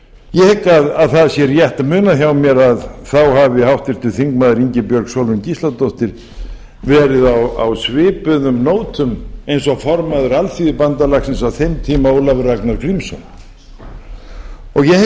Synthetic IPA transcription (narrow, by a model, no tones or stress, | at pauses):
jɛhɛkːaðaðθaðsjɛɾjɛht̪amʏːnaçawmjɛɾaðθawhavɪhawht̪vɪɾ̥t̪ɪθiŋkmaːðɪɾiɲcɪpjœɾksɔlvʏmcist̪lat̪oht̪ɪɾ̥ | vɛːɾɪðawa̰wsvɪːpʏðʏmnoːwt̪ʰʏmejnsɔɣfɔɾmaðʏɾalfiːðɪpant̪alaksɪnsaθejmt̪ʰiːmaowlavɾaknaɾkɾimsɔ̰n | ɔɣjɛ